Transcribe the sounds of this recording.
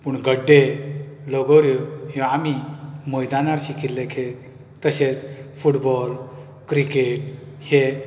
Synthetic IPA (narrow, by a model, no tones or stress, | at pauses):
puɳɡəɖːeləɡəɾjohiamimojd̪anaɾɕikit̪lekʰe | t̪əɕet͡sfuʈbɔl | kɾikeʈ̚ | he